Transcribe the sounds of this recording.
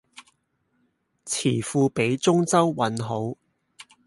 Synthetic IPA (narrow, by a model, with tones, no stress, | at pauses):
t͡sʰiː˨˩fuː˧pe˨˥jt͡sʊ˥ŋt͡sɐ˥wwɐ˨˥nɦo˨˥w